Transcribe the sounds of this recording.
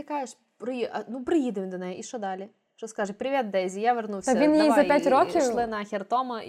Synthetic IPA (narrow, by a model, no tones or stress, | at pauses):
ɪkajɪʂ | pɾɨiʔɐnupɾɨjid̪əvʲɪmʲd̪ɐnɛjiʂod̪alʲɪ | ʂt̪oskaʐɨpɾʲɪʋʲet̪̚d̪ɛzʲɪjaʋʲɪrnusɐinjeazɐpʲætʲɾokʲɪʂˠɪnɐxʲɪrt̪omɐ